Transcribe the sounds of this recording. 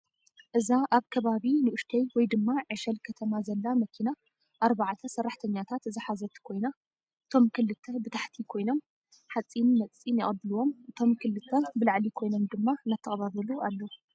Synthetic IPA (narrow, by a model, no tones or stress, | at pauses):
ʔɨzaʔaβkʰɐβaβinɨʔʊʃt̪ʰɐjwɔjd̪ɨmːaʕɨʃɐlkʰɐt̪ʰɐmazɐlːamɐkʰina | ʔaɾβaʕat̪ʰɐsɐrːaħt̪ʰɐɲːat̪ʰat̪zɨħazɐt̪kʰo̞jna | ʔɨt̪ʰo̞mkʰɨlːɨt̪ʰːɐbɨt̪ʰaħt̪ʰikʰo̞jno̞m | ħat͡sʼːinːɐt͡sʼinɐχʼɐb̪ɨluwo̞mʔɨt̪ʰo̞mkʰɨlːɨt̪ʰːɐbɨlaʕlikʰo̞jno̞md̪ɨmːanat̪ʰːɐχʼβaβɐlualːɐ